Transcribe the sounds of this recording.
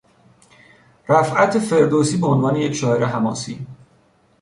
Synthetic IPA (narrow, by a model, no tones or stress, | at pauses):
ɾæfʔæt̪ʰefe̞ɾd̪oːsiːbeonvɒːne̞jecʰʃɒːheɾeɦæmɒ̰ːsiː